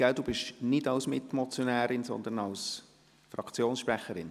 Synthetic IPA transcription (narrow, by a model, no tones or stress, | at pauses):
ɡ̥ædub̥ɪʃnɪdɑʊsmɪt̪mɔt͡sjɔnæːɾɪnsɔ̰nd̪ənɑls | frɑkʰt͡sjoːnsʃpɾæχəɾɪn